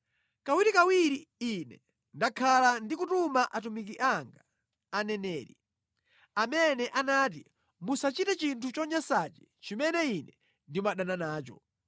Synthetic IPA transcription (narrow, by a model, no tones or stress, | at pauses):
kawiɾikawiɾiːnɛ̰ | ndakʰalandikutumaʔatumikiʔaŋɡaː | nɛnɛːɾi | amɛnɛʔanaːt̬i | musat͡ʃitɛt͡ʃintʰut͡ʃɔɲasat͡ʃɛ̥ | t͡ʃimɛnɛinɛ | ndimwaɗananaːt͡ʃɔ̰